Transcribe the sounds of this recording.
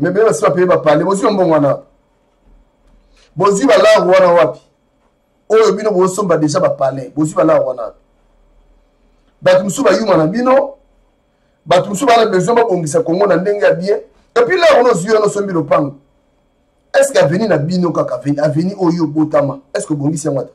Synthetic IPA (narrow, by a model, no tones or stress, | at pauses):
memelebasiapelebapalɛbozwamboŋɡwana | bozwibalaowanawapi̥ | ojobinoboosombadeʒabapalɛbozialaɣwana̰ | batumosubajumanabino | batumosubanabezababoŋɡis̬akoŋɡonandeŋɡejabiɛ̃ | epilaɣonozwiɔnosombilopaŋɡo | ɛskeaveninabinokakavenaveniʔojobotamaɛskeoboŋɡisiaŋwata